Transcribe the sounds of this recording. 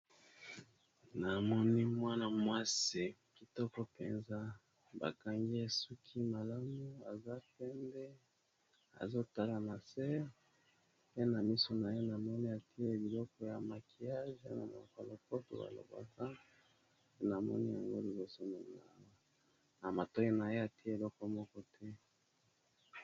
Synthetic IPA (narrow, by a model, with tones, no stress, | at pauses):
na˨mɔ˦ni˦mwa˦na˨mwa˦si˦˨ki˨tɔ˦kɔ˦pḛ˨nza˦ | ba̰˨ka˨ŋɡi˦e˨su˦kʰi˦ma˨la˦mu˦a˨za˦pɛ˦ndɛ˦ | a̰˨zo˦ta˦la˨na˨sɛ˦ʁ | pe˦na˨mi˦so˨na˨je˦na˨mɔ˦ni˦a˨ti˦e˦bi˨lɔ˦kɔ˦ja˨ma˨ki˨ja˦ʒa̰˦na̰˨mo̰˨ko˨lo˨ko˦to̰˨ba̰˨lo̰˨ba̰˨ka˦ | pe˦na˨mɔ̰˦ni˦ja̰˨ŋɡo̰˦li˨bo˨so˦n˨ | na˨ma˨to˦i˦na˨je˦a˨ti˦e˦e˨lɔ˦kɔ˦mɔ˦kɔ˦tʰɛ˦